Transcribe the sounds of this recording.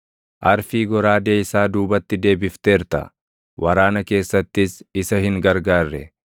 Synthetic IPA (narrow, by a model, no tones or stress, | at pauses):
ʔɐɾfiːɡɔɾaːd̪eːɪsaːd̪uːbɐt̪ːɪd̪e̞ːbɪft̪eːɾt̪ɐ̰ | wʔɐɾaːnɐke̞ːsːɐt̪ːɪsɪsɐhɪŋɡɐɾɡaːrːɛ